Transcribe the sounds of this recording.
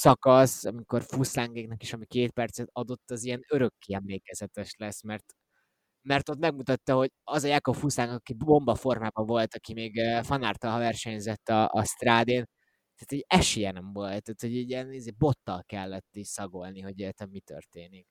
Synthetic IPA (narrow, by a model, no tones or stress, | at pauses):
sɒkɒsɒmiko̞rfuslaŋɡeːknɛkeːʃɒmikeːt̪pɛrt̪sɛt̪ɒd̪o̞t̪ːɒziɛnøɾø̞kːiɛmleːkɛzɛt̪ɛʃlɛsmɛrt̪ | mɛrt̪o̞t̪mɛɡmut̪ɒt̪ːɒho̞ɟɒzɒjaːko̞pfuslaŋɡɒkibbo̞mbɒfo̞rmaːbɒɱvo̞lt̪ɒkimeːɡfɒnaːrt̪ɒlɦɒvɛrʃɛɲzɛt̪ːɒɒ̰st̪raːd̪eːn | t̪aːt̪ɛɟɛʃijɛnɛɱvolt̪ːaːt̪ho̞ɟiɟiɛnizeːbo̞t̪ːɒlkɛlːɛt̪ːisɒɡo̞lniɦo̞ɟɛjɛt̪ɛmmːit̪ø̰rt̪eːnik